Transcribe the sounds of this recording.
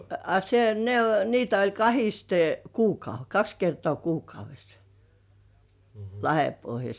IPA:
ɑ se ne o niːtæ olʲ kɑhiste kuːkɑu kɑks kertŏɑˑ kuːkɑuʋesːɑ̥ lɑhepohjɑs

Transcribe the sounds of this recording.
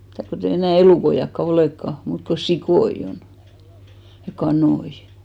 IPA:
mĭtæˑ kotei enæˑ eluˑkoij̆ɑkːɑ oleˑkːɑ muːt ko sikoij̆ on jɑ kɑnoi

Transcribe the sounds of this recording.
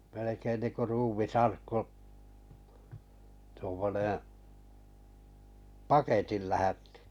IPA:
melekein niːŋku ruːmisɑrkːu tuomːonẽː pɑketil læhætːi̥

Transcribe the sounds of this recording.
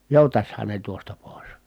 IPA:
joˑutɑshɑn ne tuostɑ poˑi̯s

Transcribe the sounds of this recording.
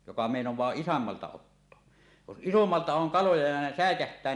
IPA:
jokɑ meˑinowˑɑː isomːɑltɑ otːoɑ jos ʔisomːɑltɑ oŋ kɑlojɑ jɑ ne sæˑekæhtˑæː

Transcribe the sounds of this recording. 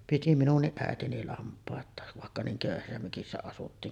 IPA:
piti minunːiʔ ʔæetini lɑmpˑɑˑetˑɑˑeʋ ʋɑˑekːɑ niːŋ køˑyhæsːæ møkisːæ ɑsutːiːn

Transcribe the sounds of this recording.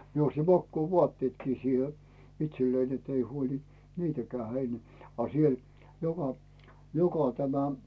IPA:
mie osti mɑkːuːʋuɑtːeːtkiː siːhe itselːein etːei huolʲi̥ niːtækæː hein ɑ siel jokɑ jokɑ tæmæ

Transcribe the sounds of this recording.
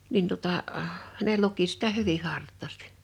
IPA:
min tuŏtɑˑ ne luki sitæ hyʋih̆ hɑrtˑɑˑsti̥

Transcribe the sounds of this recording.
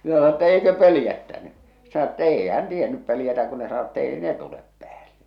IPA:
mĭn̆æ sɑno tːæ eikø pølĭjætːæny se̥ sɑno tː eːi hæn tienyp pøljætæ kun ne sɑno etː eːi ne tulep pĕæːlːe

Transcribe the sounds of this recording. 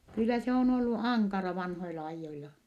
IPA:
kylːæ se on olːu ɑŋkɑrɑ ʋɑnhoilɑ ɑijːoilɑ

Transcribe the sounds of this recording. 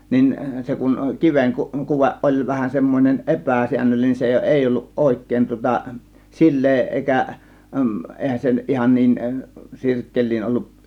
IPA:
nin se kuŋ kiʋeŋ ku kuʋeʔ ʔolʲ ʋæhæn semːonʲen epæˑsiænːølːinen se eˑi olːuʔ ʔoˑe̝kˑeˑĭn tŭŏtɑ silˑeː eˑikæ ʔeˑihæn se nyt ihɑn niːn sirkːel̆ʲliːn ʔolːuʔ

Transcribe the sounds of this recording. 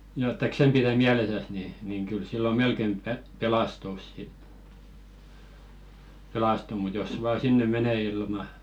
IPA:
jɑ etːæ ksem piræ miælesæs ni niŋ kyl silːo melkem pe pelɑstus sit pelɑstu mut jos ʋɑː sinːe mene ilmɑ

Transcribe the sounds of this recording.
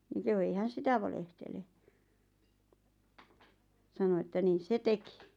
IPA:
niŋ kehu ei hæn̞ sitæ ʋɑlehtele sɑno etːæ niːs se teki

